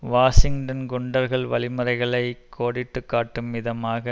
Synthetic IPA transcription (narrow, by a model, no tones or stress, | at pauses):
ʋaːsɪŋʈɐnɡʊɳɖɐɾɣɐɭʋɐlɪmɯɾɐɪɣɐɭɐɪkʰːoːɽɪʈːɯkːaːʈːɯmːɪðɐmaːɣɐ